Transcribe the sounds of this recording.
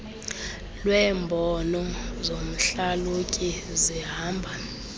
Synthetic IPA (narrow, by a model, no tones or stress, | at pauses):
lwɛːmbʱɔnɔzom̩ɬalukʼiziɦaːmbʱa